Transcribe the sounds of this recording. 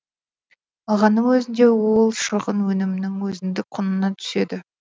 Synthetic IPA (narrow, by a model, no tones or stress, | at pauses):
ɑlˠʁɑnːəŋwɵzɪnd̪e̞wolˠʃəʁənwɵnɪmɪnɪŋwɵzɪnd̪ɪk̚qʰʊnənɑt̪ʰʏ̥se̞d̪ɪ